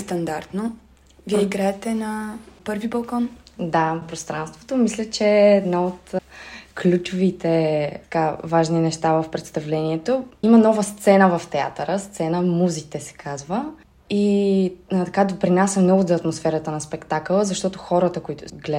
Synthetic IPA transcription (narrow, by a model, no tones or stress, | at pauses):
st̪ɐnd̪aɾt̪no | viɛiɡɾaɛt̪ɛnɐpɤɾvibɐlˠkɔnd̪apɾost̪ɾanst̪vo̥t̪omislʲət͡ʃɛːd̪naot̪klʲut͡ʃovit̪ɛt̪ɐ̥kavaʒninɛʃt̪avəfpɾɛt̪st̪ɐvlɛniɛt̪oimənɔvəst̪sɛnəvɐft̪ɛa̰t̪əɾəst̪sɛnəmuzit̪ɛsɛ̥kʰazvə | i | t̪ɐkad̪opɾinasʲəmnɔɡʊzɐːt̪mosfɛɾət̪ənɐspɛkt̪akəlˠəzɐʃt̪ɔt̪oxɔɾət̪əkoit̪ʊɡlɛ